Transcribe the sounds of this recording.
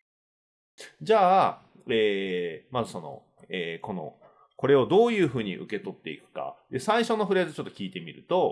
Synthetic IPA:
d͡ʑaː | eːmazɨso̞no̞̰ | eːko̞no̞̰ | ko̞ɾe̞o̞d̪o̞ːjɯ̟ːɸɯ̟ːɲ̟ḭʔɯ̟ke̞t̪o̞t̪ːe̞ḭkɯ̟̥ka̰d̪e̞saiɕo̞no̞ɸɯ̟ɾezɨt͡ɕo̞t̪ːo̞kʲiːt̪e̞mʲiɾɯ̟t̪o̞

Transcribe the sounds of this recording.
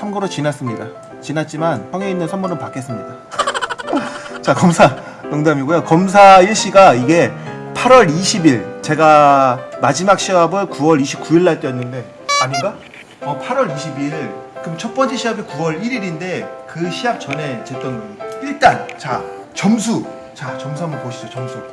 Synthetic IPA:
sʰamɡoɾot͡ɕinas͈ɯmɲida | t͡ɕinat̚t͡ɕ͈imanɸwaŋeinːɯnsʰamɡonɯnpak͈e̞s͈ɯmɲida | t͡ɕakʌmsʰa | ɯŋdamiɡujokʌms̬ʰaiɭɕ͈iɡaiɡe̞ | pʰaɾwʌɾiɕʰibiɭt͡ɕe̞ɡamad͡ʑimak̚ɕ͈iɦabɯnkuwʌɾiɕʰip̚k͈uiɭːaɭt͈ejʌnːɯnde̞ | aɲiɡa | ʌpʰaɾwʌɾiɕʰibiɭkɯmt͡ɕʰʌp͈ʌnt͡ɕ͈eɕʰiɦabikuwʌɾiɾiɾinde̞kɯɕʰiɦap̚t͡ɕʌne̞t͡ɕet͈ʌnɡʌɲiiɭt͈ant͡ɕa | t͡ɕʌms̬ʰu | t͡ɕat͡ɕʌms̬ʰamɯpoɕʰid͡ʑot͡ɕʌmsʰu

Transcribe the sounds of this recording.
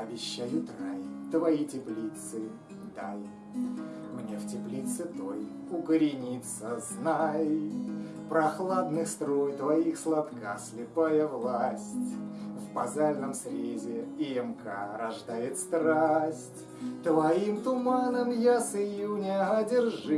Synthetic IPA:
ɐbʲɪɕːajʊt̪rajt̪vɐitʲɪplʲit̪sɨ | d̪aj | mnʲeftʲɪplʲit̪sɨt̪oj | ʊkəɾʲɪnʲit̪səznaj | pɾɐxlˠad̪nɨxst̪ɾojt̪vɐixslˠat̪kasʲlʲɪpajəvlˠasʲtʲvbɐzalʲnəmsɾʲezʲɪɪɛmkʰa̰ɾɐʐd̪ajɪt̪st̪ɾasʲtʲ | t̪vɐimt̪ʊmanəmjasɨjʊnʲaɦadʲɪrʐɨ

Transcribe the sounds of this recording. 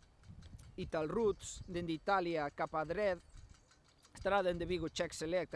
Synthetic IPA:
it̪alrut̪sd̪end̪it̪aljakapaðɾɛð | est̪ɾaðend̪eβiɣot͡ʃɛkselɛk̚t̪

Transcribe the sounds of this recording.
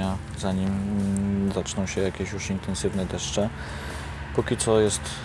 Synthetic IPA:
a | zaɲim | zat͡ʂnɔ̃w̃ɕɛjakʲeɕjuʂint̪ɛnsɘvnɛd̪ɛʂt͡ʂɛ | pɔkʲit̪sɔjɛst̪

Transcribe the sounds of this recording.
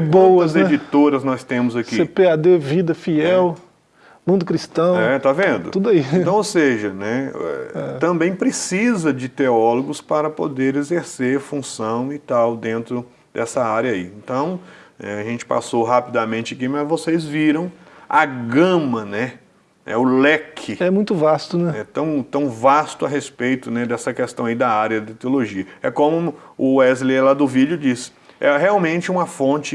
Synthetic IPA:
bowɐɐszed͡ʒit̪oɾɐznɔst̪ẽmʊzɐkisepead̪evid̪ɐfiɛw | mũd̪ʊkɾist̪ɐ̃w̃ɛt̪avẽd̪ʊ̰ud̪aiẽt̪ɐ̃w̃oseʒɐnɛɛ̰ɛt̪ɐ̃bẽj̃pɾesizɐd͡ʒɪt̪eɔloɡʊspaɾɐpo̰d̪eɾezeɾseɾfũsɐ̃w̃it̪awd̪ẽnt̪ɾʊ | d̪̥ɛsɐaɾjɐaiẽnt̪ɐ̃w̃ɛ̰aʒẽnt͡ʃɪ̥pa̰soɦapid̪amẽnt͡ʃɪɐkimɐzvosezviɾɐ̃w̃aɡɐ̃mɐnɛ | ɛ̰ʊlɛkʰɪɛmũj̃t̪ʊvast̪ʊnɛɛt̪ɐ̃w̃t̪ɐ̃w̃vast̪ʊɐɦespejt̪ʊnɛd̪ɛsɐkest̪ɐ̃w̃ɐid̪ɐaɾjɐd̪ɐt̪eoloʒiɐɛ̰kõmʊ | ʊɛzlelad̪ʊvid͡ʒʊd͡ʒis | ɛɦeawmẽt͡ʃɪũmɐfõnt͡ʃɪ

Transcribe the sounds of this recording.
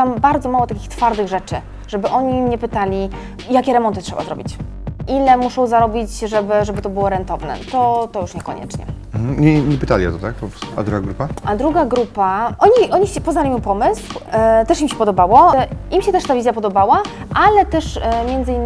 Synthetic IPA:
t̪ambaɾd̪zɔmawɔt̪akʲixt̪faɾd̪ɘɣʐɛt͡ʂɘ | ʐ̥ɛbɘʔɔɲimɲɛpɘt̪alʲi | jakʲɛɾɛmɔnt̪ɘtʂɛba̰zɾɔ̰bʲit͡ɕ | ʔilɛmuʂɔ̃w̃zaɾɔbʲit͡ɕʐɛbɘʐɛbɘt̪ɔbɘwɔɾɛnt̪ɔvnɛ̰t̪ɔt̪ɔjuʂɲɛkɔ̰ɲɛ̰t͡ʂɲɛ̰m̩ɲɛɲɛpɘt̪alʲiɔ̰t̪ɔt̪ak̚pɔpɾɔst̪ua̰d̪ɾuɡaɡɾupaʔad̪ɾuɡaɡɾupaʔɔɲiʔɔɲiɛpɔznalʲimupɔmɘswt̪ɛʂimɕɛpɔd̪ɔbawɔʔimɕɛt̪ɛʂt̪avʲizjapɔd̪ɔbawa | ʔalɛt̪ɛʂmʲjɛnd̪zɘinː

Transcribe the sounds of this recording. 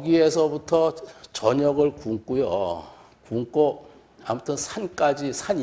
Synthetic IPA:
ɡie̞sʰʌbutʰʌt͡ɕʌɲʌɡɯɭkuŋk͈ujo̰ | kuŋk͈o | a̰mutʰɯnsʰank͈ad͡ʑisʰaɲ

